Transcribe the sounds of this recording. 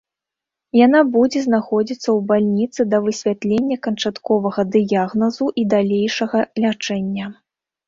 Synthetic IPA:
janabud͡zʲɛznaxɔd͡zʲit̪sːɐwbalʲnʲit̪sɨd̪ɐvɨsʲvʲat̪lʲenʲːɐkɐnt͡ʂat̪kɔvɐɣɐd̪ɨjaɣnɐzuʔid̪alʲejʂɐɣɐlʲat͡ʂɛnʲːɐ

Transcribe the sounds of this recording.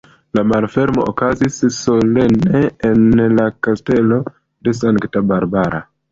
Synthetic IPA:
lamalfe̞ɾmo̞̰ʔo̰kazisso̞le̞neːnlakaste̞lo̞ | de̞s̬aŋktabaɾbaɾa̰

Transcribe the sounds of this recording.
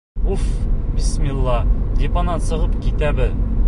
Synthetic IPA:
ufbismʲilˠːɑd̪ʲipɑnɑsɤ̆ʁɤpkit̪æbɘð

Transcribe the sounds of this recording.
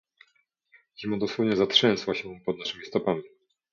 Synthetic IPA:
ɲimɔd̪ɔswɔvɲɛzatʂɛ̃nswaɕɛpɔd̪naʂɘmʲist̪ɔpamʲi

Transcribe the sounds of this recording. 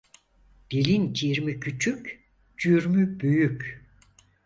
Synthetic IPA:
d̪̥ilʲint͡ʃʰiɾmicʰyt͡ʃʰycʲ | d͡ʒyɾmybyjycʲ

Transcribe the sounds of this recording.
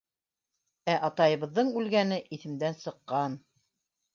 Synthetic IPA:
æʔɑt̪ɑjɤ̆βɤ̆ðːɤɴʉlɡænɘʔiθɘ̆md̪ænsɤ̆qːɑn

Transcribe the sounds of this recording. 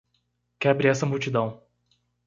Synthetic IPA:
kɛbɾɪɛsɐmuwt͡ʃid̪ɐ̃w̃

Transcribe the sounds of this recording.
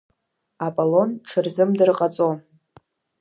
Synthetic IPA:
apʼalo̞nʈ͡ʂʰɨrzɨmdɨrqʼat͡sʼo

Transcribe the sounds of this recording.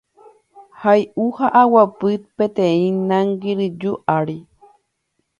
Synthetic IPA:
hajʔuhaʔawapɨt̪̚pẽt̪ẽĩnãŋɡiɾɨd͡ʒuʔaɾi

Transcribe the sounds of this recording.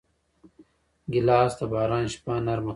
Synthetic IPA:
ɡilaːst̪ɐbaːɾãːnɕpaːnɐɾmɐ

